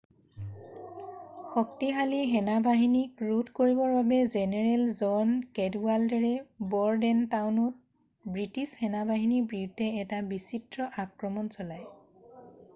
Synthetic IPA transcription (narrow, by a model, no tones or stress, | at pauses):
xɔk̚tiɦaliɦɛnabaɦinikɹutkoɹibɔɹbabɛzɛnɛɹɛlzɔnkɛdualdɛɹɛbɔɹdɛntawnut̚ | bɹitishɛnabaɦinibɹiudʱɛːtabisitɹɔʔakɹɔmɔnsɔlaj